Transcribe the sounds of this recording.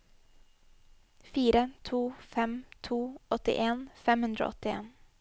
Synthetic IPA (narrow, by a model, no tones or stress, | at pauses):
fiːɾət̪ʰuːfɛmt̪ʰuːɔt̪ɪ̰ʔeːnfɛmhʉnd̪ɾo̰ːɔt̪ɪḛːn